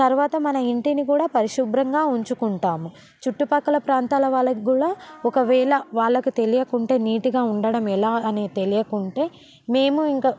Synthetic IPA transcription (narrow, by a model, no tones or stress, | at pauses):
t̪ɐɾuʋaːt̪ɐmɐnɐiɳʈinikuːɽaːpɐɾiʃubɾɐŋɡaːuɲt͡ʃukuɳʈaːmu | t͡ʃuʈːupɐkːɐlɐpɾaːnt̪aːlɐʋaːɭːɐɡuːɽaːɔkɐʋɛːɭɐʋaːɭːɐkut̪e̞lijɐkuɳʈe̞ːniːʈiɡaːuɳɖɐɽɐmɛlaːɐnet̪e̞lijɐkuɳʈe̞ː | me̞ːmuiŋka